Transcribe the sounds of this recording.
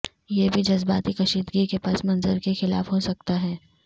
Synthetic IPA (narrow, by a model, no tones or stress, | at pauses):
jebʱid͡ʒɐzbaːt̪ikɐʃiːd̪ɡikepaːsmɐ̃nzəɾkexɪla̰ːfɦosɐk̚t̪aɦɛː